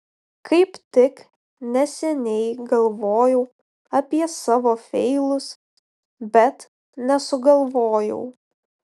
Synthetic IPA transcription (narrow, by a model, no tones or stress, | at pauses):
kɐɪpt̪ʲɪk | nʲɛsʲɛnʲɛɪɡɐlˠʋoːjɛʊ | ɐpʲiɛsɑːʋoːfʲɛɪlˠʊs | bʲɛt̪ | nʲɛsʊɡɐlˠʋoːjɛ̰ʊ